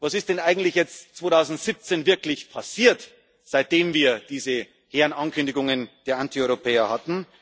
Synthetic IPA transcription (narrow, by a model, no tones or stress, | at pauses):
vɑsɪst̚d̥ɛnʔaɪɡŋ̩tlɪçjɛt͡stt͡sv̥oːtʰaʊzn̩tz̥ip̚t͡senvɪɐklɪçpʰasiːɐt | z̥aɪt̚d̥eːmviːɐd̥iːzə | heːɐnʔɑnkʏndɪɡʊŋənd̥eːɐʔantʰiɔʏʁopʰɛːɐhatn̩